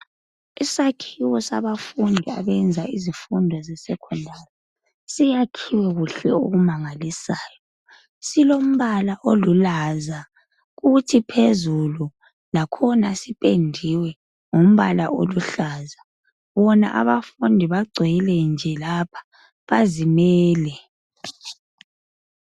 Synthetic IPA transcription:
isakʰiwɔsa̰βafundʱia̰βɛnd͡zʱaizifundʱɔzɛsɛkʰɔndʱaːla | sijakʰiwɛɣuɬɛo̰ɣumaŋalisaːjɔ | silom̩βalaʔolulaza | ɣutʰipʰezulu | lakʰɔnasipʼendʱiwɛ | ŋom̩βalaʔo̰luɬaːza | βɔna̰ʔa̰βafundʱiβaɡ͡ǀʱijilɛnd͡ʒʱɛlapʰḁ | βazimɛːlɛ

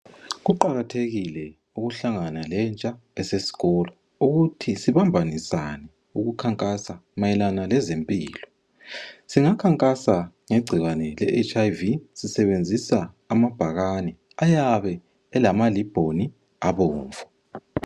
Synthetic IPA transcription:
ɣuǃaɣatʰeɣilɛ | uɣuɬaŋanalɛnt͡ʃʼa | ɛsesi̥ɣɔla | uɣutʰisiβambʱanisanɛ | uɣukʰaŋkʼasamajɛlanalɛzempʼiːlɔ | siŋakʰaŋkʼasa | ŋeɡ͡ǀʱiɣwanɛlɛʔet͡ʃʼajvisisɛβend͡zʱisaː | mab̥ʱaɣanɛ | ajaβɛː | lamalib̥ʱoni | aβɔːɱvʱɔ

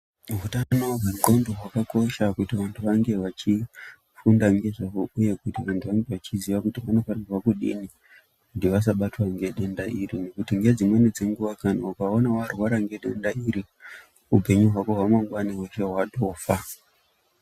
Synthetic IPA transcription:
ɦutanoɦeɡʱondoɦwakako̞ʃakutiʋantʰuʋaŋɡe̞ʋat͡ʃi | fundaŋɡe̞ʐaouje̞kutiʋantʰuʋaŋɡe̞ʋat͡ʃiziʋakutiʋano̞farirwakuɗḭni | kutiʋas̬aɓatwaŋɡe̞ɗe̞ndaʔirine̞kutiŋɡe̞d͡zimwe̞nid͡ze̞ŋɡuʋakanaukao̞nawarwaɾaŋɡe̞ɗendaiɾi | upe̞ɲuɦwako̞ɦwamwaŋɡwanaweʃeɦwaɗo̞ːfa

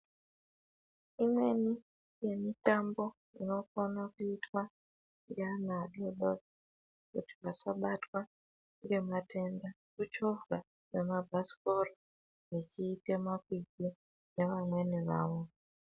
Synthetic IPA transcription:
imwe̞ni | je̞mitambo̞ | ino̞fanakuitwa | ranaɗoɗo | kṵti̥ʋasaɓatwa | ŋɡe̞matʰe̞nda | kut͡ʃovɡa | ke̞mabʱasi̥po̞ro | jet͡ʃiːtemakiɡi | ne̞ʋamwe̞niʋa̰ːʋo̞

